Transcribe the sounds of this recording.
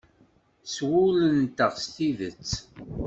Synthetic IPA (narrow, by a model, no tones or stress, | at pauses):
swʊlənt̪əʁst̪iðət͡sː